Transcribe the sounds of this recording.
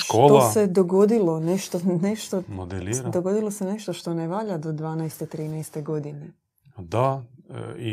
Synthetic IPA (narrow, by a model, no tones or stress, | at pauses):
ʃʃktoːlosed̪oɡo̞d̪ilˠoneʃt̪oneʃt̪omod̪eliɾd̪o̞ɡo̞d̪ilˠo̞seneʃt̪oʃt̪o̞neʋaːʎad̪od̪ʋaːnɛjst̪et̪ɾiːnajst̪eɡod̪ine | d̪a | i